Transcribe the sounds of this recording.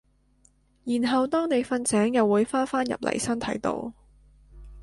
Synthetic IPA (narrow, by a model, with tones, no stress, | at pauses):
jiː˨˩nɦɐ˨wt̪ɔː˥ŋne˨˧jfɐ˧nsɛː˨˥ŋjɐ˨wːuː˨˧jfaː˥faː˥njɐ̰˨p̚lɐ̰˨˩jsɐ˥nt̪ʰɐ˨˥jt̪o̰˧w